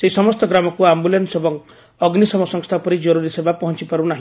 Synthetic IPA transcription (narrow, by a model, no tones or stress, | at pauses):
seɦisɔmɔst̪ɔɡɾamɔkuambulensebɔŋ | ɔɡnisɔmɔsɔŋst̪ʰapɔɾid͡ʒɔɾuɾisebapɔɦɔnt͡ʃipaɾunaɦĩ